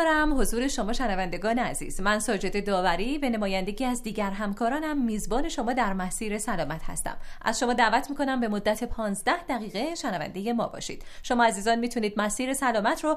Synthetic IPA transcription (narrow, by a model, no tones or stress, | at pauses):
ɾæmho̞zuːɾeʃo̞mɒːʃænævænd̪e̞ɡɒːneæzḭːz̥mænsɒːd͡ʒe̞d̪e̞d̪ɒːvæɾiːvene̞mɒːjænd̪e̞ɟiːæzd̪iːɟæɾɦæmkʰɒːɾɒːnæmːiːzbɒːne̞ʃo̞mɒːd̪æɾmæsiːɾesælɒːmæt̪ʰhæ̰st̪æ̰mʔæ̰z̥ʃo̞mɒːd̪æːvæt̪ʰmiːko̞næmbe̞mod̪ːæt̪ʰepʰɒːnzd̪æhd̪æɣiːɣeʃænævæ̰nd̪e̞je̞mɒ̰ːbɒ̰ːʃḭːd̪̥ʃo̞mɒːæziːzɒːnmiːt̪ʰuniːd̪̚mæsiːɾe̞sælɒːmæt̪ʰɾo